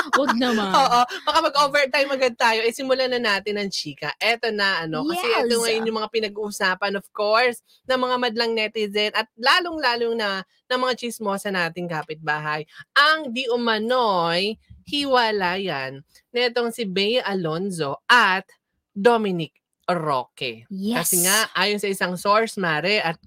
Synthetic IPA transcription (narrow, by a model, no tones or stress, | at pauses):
wɐɡnɐoːʔobɐkamɐɡʔoːvɛɹt̪ajmɐɡad̪̚t̪aːjo̞ʔɐjsɪmʊlanɐnaːt̪ɪnɐŋt͡ʃiːkɐʔɛt̪o̞nɐʔɐno̞kɐsɛʔɛoŋɐjonjʊŋmɐŋapɪnɐɡ̚uːʔʊsaːpɐnov̥ko̞ɹs | nɐŋmɐŋamɐd̪lɐŋnɛt̪ɪzɛnɐt̪̚laːloŋlaːloŋnɐ | nɐŋmɐŋat͡ʃismo̞sɐnaːt̪ɪŋkaːpɪt̪̚baːɦɐjʔɐŋd̪iʔʊmɐnojhiwɐlaːjanː | ɐɛt̪o̞ŋsɪbɛjʔɐlo̞nzo̞ʔɐt̪̚ | d̪omɪnɪk̚ | ɾo̰ːkɛ̰kɐsɛŋaʔaːjonsɐʔɪsaŋso̞ɹsmaːɾɛʔɐt̪̚